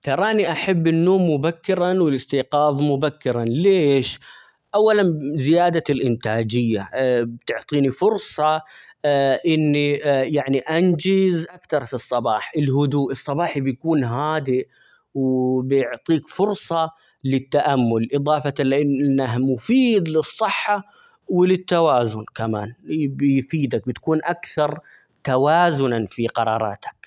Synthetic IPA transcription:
t̪ɑɾˤɑːniʔaħabːɪnːoːmːʊbakːɪɾɑnwɪlɪst̪iːqɑːðˤmʊbakːɪɾˤanleːʃ | ʔawːalanzɪjaːd̪alʔɪnt̪aːd͡ʒɪjːabt̪ʊʕt̪ˤiːnifʊɾsˤɑ | ʔɪnːijaʕniʔand͡ʒɪzʔakt̪ɑɾˤfisˤːɑbɑːħʔɪlhʊd̪uːʔɨsˤːɑbɑːħibjkuːnɦaːd̪ɪʔ | wbɪjɪʕt̪ˤiːkfʊɾsˤɑ | lɪt̪ːaʔamːʊlʔɨðˤɑːfɑɪlʔɪnnːaɦmʊfiːd̪lɨsˤːɨħːa | wɪlɪt̪ːawaːzʊnkamaːnbɪjfiːd̪ak̚bɪt̪kuːnʔakθɑɾˤ | t̪awaːzʊnafiqɑɾˤɑːɾˤɑ̰ːt̪ḁk

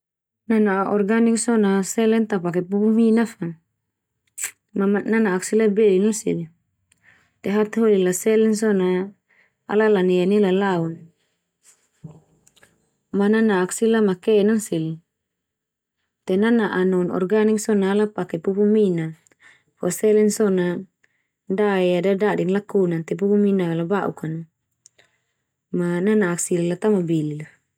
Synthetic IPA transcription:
nanaʔɔrɡanik̚sɔnasɛlɛnt̪apakɛpupuminafa | mamananaːk̚silabɛlinansḭli | t̪ɛɦat̪ɦolilasɛlɛns̬ɔna | a̰lalanijanilalaun | mananaːksilamakɛnaŋsil | t̪ɛnanaʔanɔnɔ̰rɡaniksɔnaːlapakɛpupumina | fɔsɛlɛnsɔna | ndaɛadadadiŋlakunant̪ɛp̬upuminalabaʔṵkan | mananaːksilalat̪amabilila

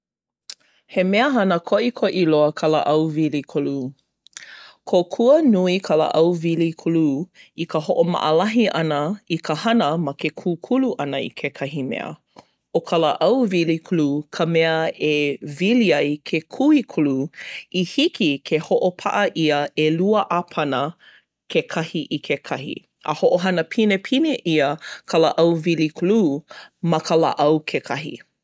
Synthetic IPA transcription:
hemɛəɦɐnəkʰoʔikʰoʔiloəkʰɐlə̰ʔɐwvilikʰulu | kʰokʰuənuikʰɐlə̰ʔɐwvilikʰuluikəhoʔomɐ̰ʔəlɐɦiʔɐnəikʰəhɐnəmɐkʰekʰukʰuluʔɐnəḭkʰekʰɐɦimɛ̰ə̰ | okʰɐləʔɐwvilikʰulukʰəmɛəeviliɐjkʰekʰuikʰuluihikʰikʰehoʔopʰa̰ʔəʔiəeluəʔapʰɐnə | kʰekʰɐhiʔikʰekʰɐhḭ | ə̰hoʔoɦɐnəpʰinepʰineʔiəkʰəlaʔɐwvilikʰulumɐkʰəla̰ʔɐwkʰekʰɐɦḭ

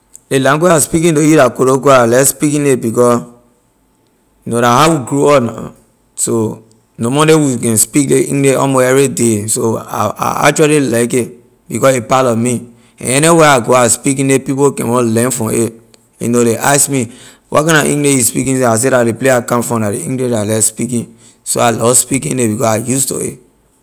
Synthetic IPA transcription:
lelãnɡweaspikĩntojudakoɾoɡoalɛspikĩnebikɔ | jnoɾaɦawiɡɹoɔ | so | nomɔdewikɛ̃nspikleḭ̃ŋneɔ̰moɛvidesoa̰a̰a̰kt͡ʃualilak̬e | bikɔsepalɔmi | ɛ̰̃nɛniweaɡoaspik̬ĩndepipokɛ̰̃nwɔ̃lɛ̃nfɹɔ̃e | ḛnoleʔaskmi | wʔɔ̰tkãnaʔḭ̃ŋɡleispḭkĩnseas̬eɾaleplejakãmfɹɔ̃dadeĩŋɡliʃalɛspikĩn | so̰alɔspikĩnebikɔajusto̰ḛ

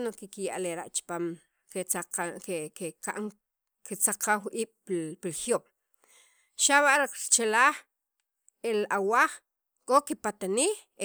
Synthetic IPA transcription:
nokikijaʔleɾa̰ʔt͡ʃpaːm | keaqaekeka̰ʔŋ | ket͡saqʰaxwʔiːɓ̥pilxjoɓ̥ | ʃaβaʔɾiqɾt͡ʃelaːχ | elawaχ | kʼokipat̪aniːx | e

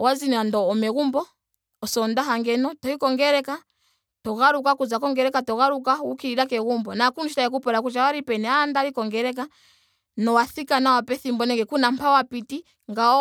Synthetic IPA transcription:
wazinandɔːmɛɣumbɔː | sɔndaɦaŋɡɛnɔtɔikɔŋɡɛɾɛka | tɔɣaɾukakuzakɔŋɡɛɾɛkatɔɣaɾukawukiɾiɾakɛɣumbɔnakunuʃitaɛk̬upɔɾakut͡ʃawaɾipɛnɛandaɾikɔŋɡɛɾɛk̬a | nɔwaθikanawapɛθimbɔnɛŋɡɛkunam̩pawapiti | ŋɡaɔ

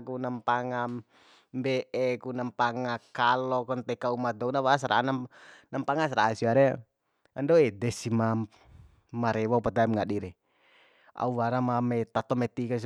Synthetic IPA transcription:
kunampaŋam | bɛʔɛkunampaŋakalɔkɔnt̪ɛkaumad̪ɔunaβas̬aɾʔananampaŋas̬aɾaːsiaɾɛ | andɔɛdɛsima | maɾɛwaupat̪aɛmŋaɗiɾɛ | a̰uwaɾamamɛt̪at̪ɔmɛt̪ikas̬

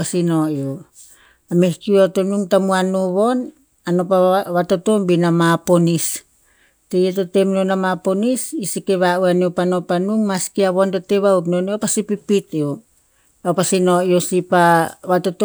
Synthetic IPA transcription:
asinojo | amehkiuato̞nuŋtamuanoβo̞n | anopaβato̞to̞mbinamapo̞nis | tejetotemnonamapo̞nisisikeβaʔuaniopano̞panuŋmaskiaβo̞ntote̞βaukno̞neopasipipito | aopasino̞josipaβatot

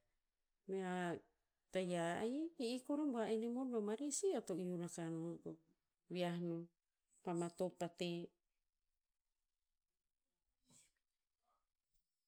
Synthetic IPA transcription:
mea | tajajiʔikoɾomboaenimodomaɾisiotoʔiunakanoɡo | wiahno | pamat̪opat̪e

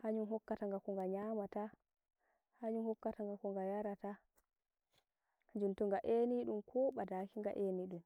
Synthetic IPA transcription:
haɲunɦɔkːataŋɡakɔŋɡaɲamata | haɲunhɔkːataŋɡakɔŋɡajaɾata | had͡ʒuntuŋɡaʔeniɗumkʰɔɓadakiŋɡa̰ʔeniɗum

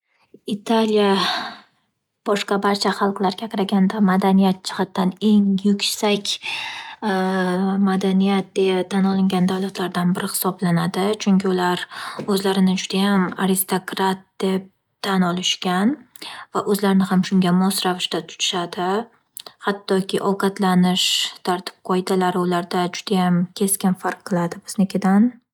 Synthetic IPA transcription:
ɪt̪ʰalija | b̥ɒʃqɑbaɾt͡ʃʰaχɑlˠqlˠaɾɡʲakʰɑɾaɡʲand̪amad̪anijat̪̚t͡ʃʰɨ̥qɑt̪ːane̞ŋjʊkʲsakʲ | mad̪anijat̪̚d̪eat̪ʰanɒlˠɪŋɡʲand̪awlat̪ʰlaɾd̪anbɪɾɪhɪ̥sɒblanad̪ɪt͡ʃʰʊŋkʲɪʊlaɾɵzlaɾɪnɪd͡ʒʊd̪ajamaɾɪst̪okɾat̪̚d̪̥e̞p̚ | t̪ʰanɒlˠɪʃkʲanvaʔɵzlaɾɪnɪhamʃʊŋɡʲamɒsɾavɪʃt̪at̪ʰʊ̥t͡ʃ̪ʰɪ̥ʃad̪ɪ | hat̪ʰːɒkʲɪʔɒwqʰɑt̪lanɪʃt̪ʰaɾt̪ʰɪ̥p̚qʰɒjd̪alaɾɪʊlaɾd̪ad͡ʒʊd̪ajamkʲʰe̞skʲɪnfaɾqʰːɨlˠad̪ɪbɪznɪkʲʰɪd̪an

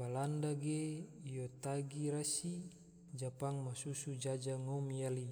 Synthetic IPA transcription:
balandaɡejot̪aɡiɾasi | d͡ʒapaŋmasusud͡ʒad͡ʒaŋɔmijali

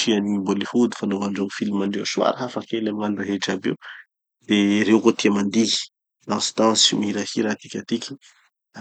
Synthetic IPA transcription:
ianibolihud̪i̥fanovaɳɖ͡ʐoŋfilimaɳɖ͡ʐewsua̰ɾaɦafakelamiŋaniraɦeʈ͡ʂabḛw | d̪eɾewkot̪iamand̪i̥ | d̪ãsi̥t̪ãsmiɾahiɾat̪i̥kʲat̪ikʲi̥

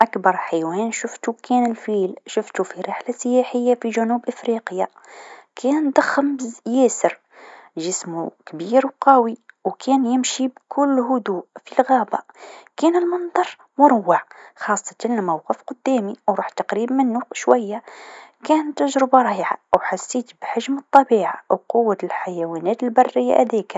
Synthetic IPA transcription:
ʔakbɑɾˤħajwæːnʃʊft̪ukʰæːnəlfiːlʃʊft̪ufiɾɪħlasəjaːħəjːafiʒænuːbʔəfɾiqjakʰæːnnd̪ɑxːəmbjæːsəɾ | ʒəsmukbiːɾwqɑwiwkʰæːnjɪmʃibkʰʊlːɦʊd̪uːʔfilɣæba̰kænəlmɑnd̪ˤɑɾˤ | mʊɾˤwːɑʕxɑsˤːɑ̥t̪anlmawqəfqʊd̪ːæːmiwɾˤuħt̪ɑqɾiːbmənːuʃwæjːakæːnt̪ːaʒɾəbɑɾˤjʕa̰wħasːiːt̪bħaʒmət̪ˤːɑbiːʕawqʊwːalħajæwænæːt̪əlbɑrːəjːa̰ʔæ̰d̪æka

